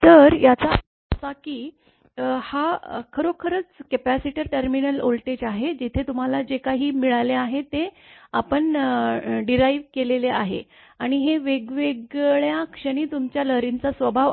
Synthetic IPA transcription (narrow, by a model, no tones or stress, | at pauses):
t̪əɾjat͡sa | sakiː | hakʰəɾokʰəɾət͡skepæsiʈəɾʈəɾminəlolʈed͡ʑaɦed͡ʑit̪ʰet̪um̤alad͡ʑekaɦiːmiɭaleaɦet̪eapəɳ | ɖiɾaiʋkeleleaɦḛ | aɽ̃iɦeʋeɡʋeɡɭjakʂəɽ̃iːt̪umt͡ɕjaləɾint͡sasʋəbʱaʋ